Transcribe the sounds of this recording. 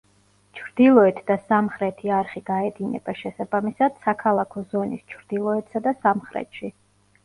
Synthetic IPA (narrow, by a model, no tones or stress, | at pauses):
t͡ʃʰɾd̪ilˠɔɛt̪ʰd̪asamχɾɛt̪ʰiaɾχiɡ̥aɛd̪inɛ̰baʃɛsabamisad̪̥sakʰalˠakʰɔzɔnḭst͡ʃʰɾd̪̥ilˠɔɛt̪ʰsad̪asamχɾɛ̰t̪ʰʃi